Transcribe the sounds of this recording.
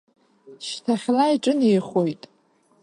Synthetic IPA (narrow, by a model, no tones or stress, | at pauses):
ʃtʰaχʲlaiʈ͡ʂʼɨnijχojtʼ